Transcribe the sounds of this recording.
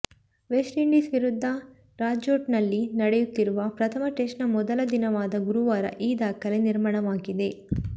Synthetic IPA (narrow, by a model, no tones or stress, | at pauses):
ʋesʈiɳɖiːsʋiɾud̪ʱːɐ | ɾaːd͡ʒoːʈnɐlːinɐɽejut̪ːiɾuʋɐpɾɐt̪ʰɐmɐʈeʂnɐmɔd̪ɐlɐd̪inɐʋaːd̪ɐɡuɾuʋaːɾɐ̰ʔiːd̪aːkʰɐleniɾmaːɳɐʋaːɡid̪e̞